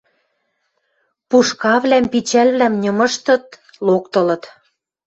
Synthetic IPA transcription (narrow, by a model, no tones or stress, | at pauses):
puʃkɑβlæmpit͡ɕælβlæmnʲɤ̆mɤ̆ʃt̪ɤ̆t̪̚ | lokt̪ɤ̆lɤ̆t̪